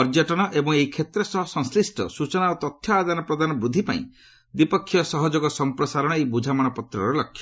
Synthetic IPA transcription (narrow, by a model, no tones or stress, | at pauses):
ɔɾd͡ʒaʈɔɽ̃ɔʔebɔŋeikʰet̪ɾɔsɔɦɔsɔŋslisʈɔ̰sut͡ʃɔnaot̪ɔt̪ʰjɔad̪anɔpɾɔd̪anɔbɾud̪ʱːipa̰ḭ̃ | d̪ipɔkʰːjɔsɔɦɔd͡ʒoɡɔsɔmpɾɔsaɾɔɽ̃ɔejbud͡ʒʱamɔɽ̃ɔpɔt̪ɾɔɾɔlɔkʰːjɔ